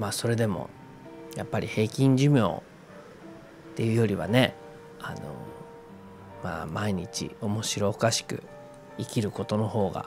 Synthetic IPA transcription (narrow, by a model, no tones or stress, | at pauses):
maːso̞ɾe̞d̪e̞mo̞̰ | japːaɾʲihe̞ːkʲĩɲ̟d͡ʑɨmʲjo̞̰ː | t̪e̞jɯ̟ːjo̞ɾʲiβa̰ne̞ | a̰no̰ | ma̰ːmaiɲ̟it͡ɕḭo̞mo̞ɕiɾo̞ːkaɕi̥kɯ̟̰ | ikʲiɾɯ̟ko̞t̪o̞no̞ho̞ːɡa̰